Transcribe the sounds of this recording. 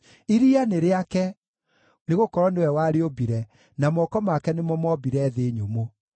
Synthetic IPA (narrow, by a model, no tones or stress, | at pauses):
iɾianeɾeakɛ | neɣokɔɾɔnewɛwaɾeobiɾɛ | namɔkɔmakɛnemɔmɔbiɾɛðeɲomo